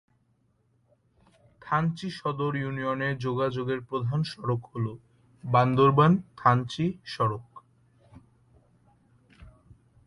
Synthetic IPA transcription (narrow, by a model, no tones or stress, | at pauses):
t̪ʰant͡ɕiʃɔd̪oɾjunioneɾd͡ʑoɡad͡ʑoɡeɾpɾod̪ʱanʃɔɾokɦolo | band̪oɾbant̪ʰant͡ɕiʃɔɾok